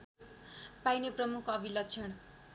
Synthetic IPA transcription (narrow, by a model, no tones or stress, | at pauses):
pajneprʌmukʰʌbilat͡sʰeɽ̃